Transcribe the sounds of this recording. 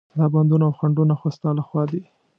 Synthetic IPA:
d̪ɑband̪unoawxaɳɖunaxost̪alaxwɑd̪i

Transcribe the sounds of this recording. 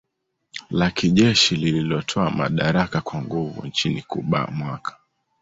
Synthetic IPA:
lakiʄɛʃilililɔtʰɔama̰ɗaɾakakwaŋɡuvṵnt͡ʃinikuɓa̰mwakʰḁ

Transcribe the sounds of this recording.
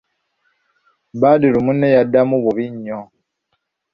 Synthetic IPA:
badilumunːejadːamuβuβiɲːo

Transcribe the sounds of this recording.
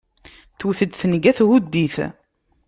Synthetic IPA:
θuθəd̪θnəɡæθhud̪ːiθ

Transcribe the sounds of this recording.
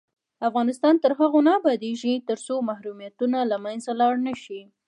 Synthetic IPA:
afɣɑnɪst̪ɑnt̪əɾɦaɣonɑbɑd̪eʒit̪əɾsomahɾumijat̪unalamanzalɑɽnəʃi

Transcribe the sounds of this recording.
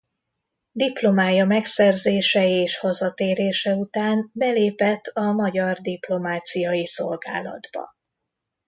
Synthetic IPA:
d̪iplo̞maːjɒmɛksɛrzeːʃɛeːʃhɒzɒt̪eːɾeːʃɛut̪aːnbɛleːpɛt̪ːɒmɒɟɒrd̪iplo̞maːt̪sijɒjiso̞lɡa̰ːlɒ̰d̪bɒ̰

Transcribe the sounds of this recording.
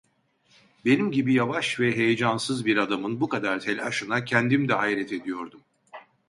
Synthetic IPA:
be̞nimɟibijavaʃvɛɦe̞jed͡ʒansɯzbiɾad̪amɯnbukad̪aɾt̪ʰɛlʲaʃɯnacʰɛnd̪imd̪ɛaiɾɛt̪ʰe̞d̪ijo̞ɾd̪um

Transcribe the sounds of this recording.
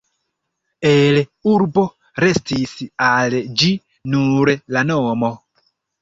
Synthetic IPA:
eluɾbo̞ | ɾe̞stisald͡ʒi | nuɾlanomo

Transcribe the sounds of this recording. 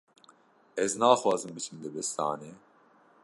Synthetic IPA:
ɛznaːxwɑːzɨmbɨt͡ʃʰɨmd̪ɨbɛst̪a̰ːne

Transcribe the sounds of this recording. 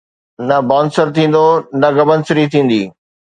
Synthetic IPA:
nɐbɔ̃ːnsəɾt̪ʰĩːn̆d̪onɐɡɐbənsɪɾit̪ʰĩːn̆d̪iː

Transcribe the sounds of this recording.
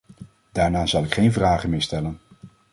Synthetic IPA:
d̥aːɹnaːzɑlˠɪkχejnvraːχəmɪːɹstɛlən

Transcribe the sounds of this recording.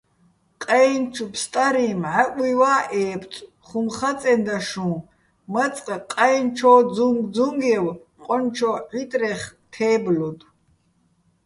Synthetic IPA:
qʼɛjnt͡ʃʰupʰst̪ʼaɾimʕakʷʼiwaːʔɛːpʰtʼ | χumχat͡sʼɛnd̪aʃũː | mɐt͡sʼqʼaqʼajnt͡ʃʰɔːd͡zuŋɡd͡zuŋɡɛw | qʼɔnt͡ʃʰɔʕit̪ʼrɛχt̪ʰɛːblɔd̪

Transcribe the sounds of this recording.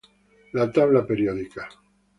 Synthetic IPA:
lat̪aβlapeɾjoðika

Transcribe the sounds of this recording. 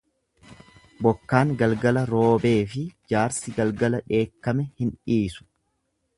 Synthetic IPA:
bɔkːaːŋɡɐlɡɐlɐɾoːbe̞ːfɪd͡ʒaːɾsɪɡɐlɡɐlɐᶑe̞ːkːɐmɛhɪnᶑiːsʊ̥

